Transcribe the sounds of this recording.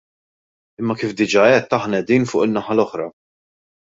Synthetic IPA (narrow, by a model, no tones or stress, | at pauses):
ɪmːɐkiːfd̪ɪd͡ʒɐːɛt̪ːɐħnɐɛd̪iːnfʊ̰ːʔɪnːɐħɐlɔħɾɐ